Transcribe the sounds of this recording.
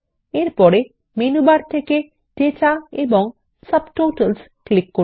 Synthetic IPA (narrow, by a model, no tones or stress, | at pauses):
eɾpɔɾe | menubaɾt̪ʰeke | ɖetaebɔŋ | səbʈoʈəls | klikːo